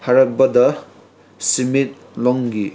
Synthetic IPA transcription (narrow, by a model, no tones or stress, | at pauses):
hɐɾɐk̚bɐdɐ | simit̚ | lɔŋɡi